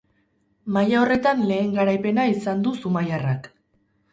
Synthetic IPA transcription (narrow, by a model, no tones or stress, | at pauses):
majao̞re̞t̪anle̞ːŋɡaɾajpe̞naisand̪usumajarak